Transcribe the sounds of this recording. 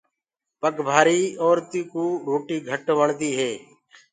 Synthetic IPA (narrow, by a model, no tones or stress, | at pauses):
pəkbʱaːɾiːoːɾt̪iːkuːɾoːʈiːɡʱəʈʋəɳd̪iːɦeː